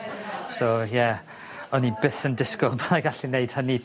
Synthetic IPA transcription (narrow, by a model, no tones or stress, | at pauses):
sojɛ | ɔnibɪθəndɪskɔlˠbaðaɡaɬineɨjd̥həni